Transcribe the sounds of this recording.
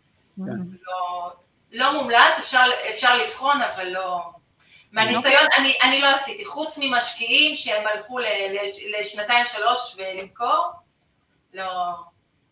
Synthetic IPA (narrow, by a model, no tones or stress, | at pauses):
lo | lo̞mumlat͡sefʃaʁlefʃaʁliv̥χo̞navalːo̞ | meanisajo̞naniʔanilo̞asit̪iχut͡smimaʃkiimʃeemalχuleleleʃnat̪ajimʃalo̞ʃve̞limko̞ʁ | lo̞